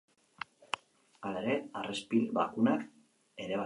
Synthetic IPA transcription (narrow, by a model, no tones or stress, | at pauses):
aleɾe̞arespilβa̰kunak | e̞ɾe̞βa